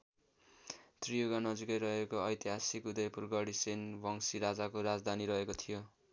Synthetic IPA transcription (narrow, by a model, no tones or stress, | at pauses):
t̪rijoɡanʌd͡zikʌjɾʌɦekoʌjt̪iɦasikud̪ʌjpurɡʌɽisenbʱʌŋsiɾad͡zakoɾad͡zd̪ʱaniɾʌɦekot̪ʰijo